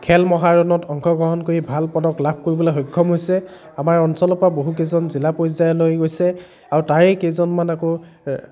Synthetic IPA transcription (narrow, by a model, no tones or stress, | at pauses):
kʰɛlmɔɦaɹɔnɔtʰɔŋkʰɔɡɹɔɦɔnkoɹibʱalpɔdɔklab̚ʱkoɹibɔlaxojkʰːɔmɦojsɛ | amaɹɔnsɔlɔpɹaboɦuk̬ezɔnzilapojzajɔlojɡojsɛ | aɹutaɹekezɔnmanakɔ